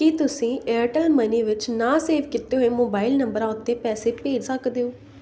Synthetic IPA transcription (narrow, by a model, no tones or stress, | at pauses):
kit̪ʊsĩːeːɾʈəlməniːʋɪt͡ʃnaːseːʋkɪt̪ːeːɦoːeːmoːbaːɪlnəmbəɾaːʊt̪ːeːpɛːseːpkeːd͡ʒsəkd̪eːõː